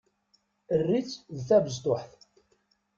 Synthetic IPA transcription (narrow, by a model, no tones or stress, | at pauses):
ərːit͡sːðθævəzt̪ˤoħθ